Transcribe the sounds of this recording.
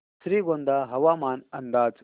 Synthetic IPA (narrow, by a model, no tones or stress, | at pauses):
sɾiːɡond̪aɦɐʋaːmaːnɐnd̪aːd͡z